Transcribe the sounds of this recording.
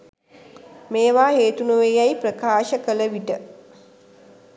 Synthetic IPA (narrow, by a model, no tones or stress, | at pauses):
meːʋaːɦeːt̪unuʋejajprəkaːʃəkələʋiʈə